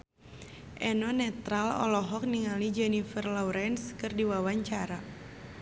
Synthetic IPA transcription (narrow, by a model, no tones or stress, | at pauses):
ʔɛnɔnɛt̪ɾalɔ̰lɔɦɔk̚niŋalid͡ʒɔnifərlɔuɾɛnskɨrdiwawaɲt͡ʃaɾa